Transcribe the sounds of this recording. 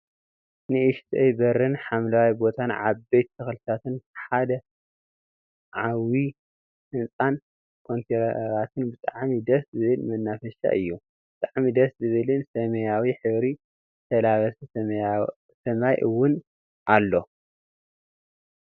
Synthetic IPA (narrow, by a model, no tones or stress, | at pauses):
nɨʔɨʃt̪ʰʼejbɐɾɨnħamlawajbo̞t̪ʰanʕa̰bejt̪ːɨxlɨt̪ʰat̪ɨnħad̪ɐ | ʕawi | hɨnt͡sʼan | kʰo̞nt̪ʰeɾɾat̪ʰɨnbɨt̪ʼaʕmid̪ɐszɨβɨlmɐnːafɐʃa̰ʔɨjːu | bɨ̥t̪ʼaʕmid̪ɐszɨβɨlɨnsɐmɐjawiħɨβɾi | t̪ʰɐlaβɐs | sɐmajʔɨwːʊn | ʔalːo̞